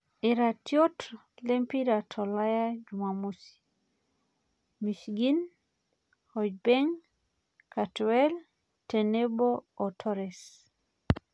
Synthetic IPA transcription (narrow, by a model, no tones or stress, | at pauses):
ɪɾatjot | lempiɾatʰɔlajad͡ʒumamusi̥ | miʃɡin | hɔd͡ʒ̚beŋ | katwɛl | teneboːtʰɔɾɛs